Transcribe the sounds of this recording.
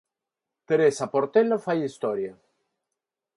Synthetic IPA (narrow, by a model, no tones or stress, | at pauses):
t̪eɾesapoɾt̪elofajist̪oɾja